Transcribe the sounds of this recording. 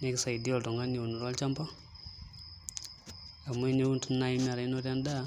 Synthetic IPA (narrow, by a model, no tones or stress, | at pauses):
nekisaidioltoŋɡanionuɾalt͡ʃampa | amweniβuːntunnaimaɾainoɾjanda